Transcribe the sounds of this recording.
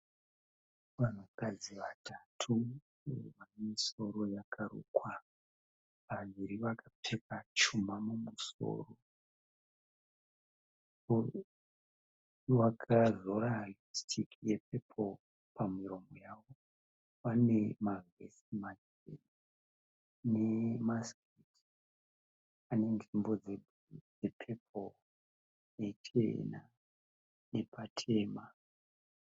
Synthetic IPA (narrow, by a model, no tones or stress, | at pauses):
ʋan̤ukad͡ziʋatʰatʰu | ʋanemiso̞ɾo̞jakʰaɾṵːkwa | ʋaʋiɾiʋakʰapʰekat͡ʃumamumuso̞̰ːro̞ | ʋakʰazo̞ɾalistʰikijep̚epʰol | pamiɾo̞mojaːwo | pane̞maɡḛsimad͡ʒ | ḛn | nemaskit | ane̞nʐimbo̞d͡ze | d͡zepʰepʰol | net͡ʃḛna | ne̞patʰe̞ːma